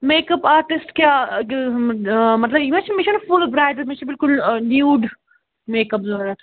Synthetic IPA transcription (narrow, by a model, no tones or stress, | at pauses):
meːkɐpaːɾʈɪsʈkja | mɐt̪lɐbimaːd͡ʒɪnmɪʃənɔfʊlbɾaɪɖmɪʃəbɪlkʊlnjuːɖ | meːkɐpzɐɾt̪ʰ